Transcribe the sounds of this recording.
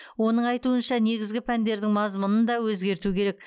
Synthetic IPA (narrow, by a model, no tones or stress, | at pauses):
wo̞n̪əɴɑjt̪uənʃɑne̞ɡʲɪzɡʲɪpʰænd̪e̞ɾd̪ɪŋmɑzmʊnənd̪ɑwɵzɡʲe̞ɾt̪ukʲʰe̞ɾe̞k̚